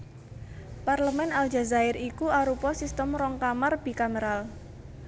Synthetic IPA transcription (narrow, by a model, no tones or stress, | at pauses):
parləmɛnald͡ʒa̤zaɪrikuaɾupɔsist̪əmɾɔŋkamarb̥i̤kaməɾal